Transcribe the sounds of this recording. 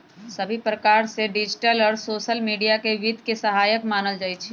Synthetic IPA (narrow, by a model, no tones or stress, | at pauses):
sɐbʱipɾɐkaːɾseɖɪd͡ʒʈəlɔːɾsoːʃəlmiːɖijakeʋɪd̪ʱkesɐɦaːjəkmaːnəld͡ʒaːit͡ʃʰi